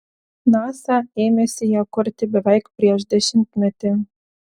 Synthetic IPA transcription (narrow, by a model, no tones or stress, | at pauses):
nɑsɑemʲesĕjɑkŏrʲt̪ʲɘ̆bɘ̆vɑjkprʲeʒd̪ĕɕɘ̆nk̪mɘ̆t̪ʲĕ